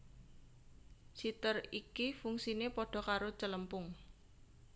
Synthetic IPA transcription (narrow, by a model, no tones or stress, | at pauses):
sit̪ərikifuŋsinepoɖ̥ɔ̤kaɾot͡ʃələmpʊŋ